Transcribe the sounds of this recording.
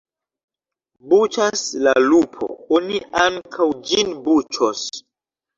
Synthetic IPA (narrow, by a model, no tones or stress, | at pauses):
but͡ʃaslalupʰo̰oniaŋkʰawd͡ʒinbut͡ʃos